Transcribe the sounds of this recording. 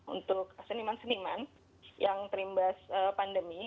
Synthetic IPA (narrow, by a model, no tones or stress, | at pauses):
ṵnt̪ʊk̚sənimansəniman | jaŋt̪əɾimbasəpandəmi